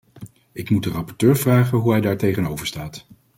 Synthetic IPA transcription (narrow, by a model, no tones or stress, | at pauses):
ɪkmudərɑpɔɹtøːɹvraːχənɦuɦɛjdaːɹtejχənowvəɹstaːt